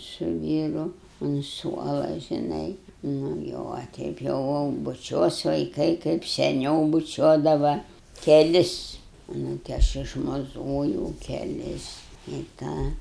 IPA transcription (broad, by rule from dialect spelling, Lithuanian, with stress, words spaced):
sʊ ˈʋʲiːrʊ ʊn ˈsuɔlˠɐ ʒʲɪˈnɐɪ ˈnʊ jɛʊ ɐ ˈtʲɛɪp jɛʊ jɛʊ bʊˈt͡ʃʲuɔs ʋɐɪˈkɐɪ kɐɪp sʲɛˈnʲɛʊ bʊˈt͡ʃʲuɔdɐʋɐ kʲɛˈlʲɪs nʊ tʲɪ ˈɐʃ ɪʃmɐˈzoːjɛʊ kʲɛˈlʲɪs ɪ ˈtɑː